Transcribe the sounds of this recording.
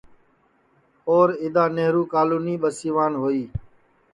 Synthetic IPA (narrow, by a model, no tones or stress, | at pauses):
oːɾɪd̪aːneɦɾuːkaːluːniːɓəsiːʋaːnɦoːiː